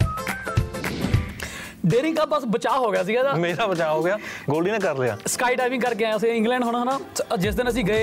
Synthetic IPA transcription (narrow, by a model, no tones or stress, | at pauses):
ɖeːɾɪ̃ŋɡkaːbəsbət͡ʃaːɦoːɡɪjaːs̬iːɡaːd̪aːmeːɾaːbət͡ʃaːɦoːɡɪaːɡoːlɖiːnẽːkəɾlɪa̰ːskaːiːʈaːjʋɪ̃ŋɡkəɾkeɛ̃ːəsẽːɪ̃ŋɡlɛ̃ːɳɖɦʊɽ̃aːɦnãːd͡ʒɪsd̪ɪnəs̬ĩːɡəeː